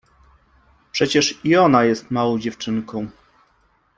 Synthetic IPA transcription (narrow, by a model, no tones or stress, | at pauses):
pʂɛt͡ɕɛʂiɔnajɛst̪mawɔ̃w̃d͡ʑɛft͡ʂɘŋkɔ̃w̃